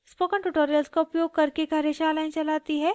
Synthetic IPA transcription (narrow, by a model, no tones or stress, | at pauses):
spoːkəɳʈuʈoːɾijəlskoʊpjoːɡ̚kɐɾkeɡɐɾeʃaːlaːĩt͡ʃɐlaːt̪iɦɛː